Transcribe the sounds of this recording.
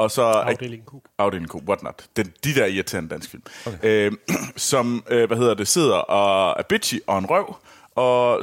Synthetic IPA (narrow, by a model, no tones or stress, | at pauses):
ɒ̽sɒ̽ | ɑ̈ʊd̥elŋkʰo̰wɒd̥nɒ̽d̥ed̥id̥æɐiɐt͡sʰe̝ɐend̥æn̰sɡ̥fil̰møsɒ̽møʋæhe̝ð̞̰ˠɐd̥e̝se̝ð̞̰ˠɐʔɒ̽æɐb̥i̥ɕiʔɒ̽e̝nʁœʊ̰ | ɒ̽